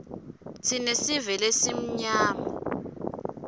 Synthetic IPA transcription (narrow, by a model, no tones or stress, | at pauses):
tʰinesivɛlesim̩ɲaːma̰